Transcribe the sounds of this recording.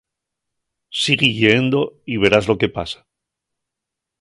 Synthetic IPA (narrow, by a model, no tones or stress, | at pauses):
siɣiʝend̪o̞iβ̞e̞ɾazlo̞ke̞pa̰sḁ